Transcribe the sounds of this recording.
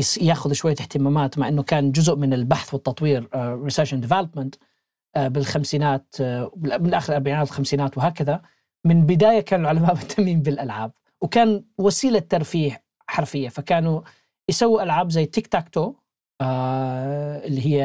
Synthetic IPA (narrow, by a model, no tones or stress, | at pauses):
jaːxʊðʃwajːalɪħt̪ɪmaːmaːt̪maʕʔɪnːʊkaːnd͡ʒʊzʊʔmɪnɪlbaħθwɪt̪ːɑt̪ˤwiːɾːɪsaːʃɪnd̪ɪvɛlapmɪnt̪ː | bɪlxamsiːnaːt̪ɪlmɪnlʔaːxɪɾʔɑɾˤbaʕiːnaːt̪lxamsiːnaːt̪wɦaːkaða | mɪnbɪd̪aːjakaːnɪlʕʊlamaːʔbɪt̪ʰːamiːmbɪlʔalʕaːb̚ | wkaːnwasiːlat̪ːɑɾˤfiːħ | ħɑɾˤfɪjːafakaːnu | jɪsawːɪʔalʕaːbzajːt̪ːɪkt̪akt̪o | ʔɪlːiɦɪjːa